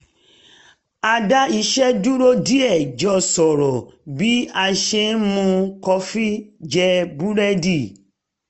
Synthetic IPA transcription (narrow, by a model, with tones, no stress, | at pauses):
a˧da˦i˧ʃɛ˦du˦ɾo˦di˦ɛ˦˨d͡ʒɔ˧sɔ˨ɾɔ˨bi˦a˧ʃe˧˦mũ˧kɔ˧fi˦d͡ʒɛ˧bu˦ɾɛ˦di˦˨